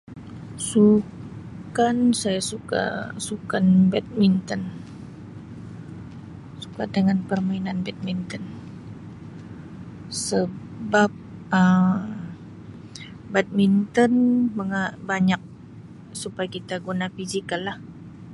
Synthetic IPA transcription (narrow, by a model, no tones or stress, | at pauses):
su | kansajasuka̰sukanbɛt̪̚mint̪ɔn | su̥kadəŋanpərmainanbɛt̪̚mint̪ɔn | sə | bap̚əm | bɛt̪̚mint̪ɔnməŋabaɲak̚ | supajakit̪aɡunafizikalːah